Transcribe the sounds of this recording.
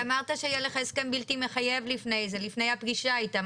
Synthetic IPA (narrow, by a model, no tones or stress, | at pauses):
amaʁt̪aʃejeleχeskanbiltimeχaje̞vlifne̞jzelifne̞jhapɡiʃaajt̪a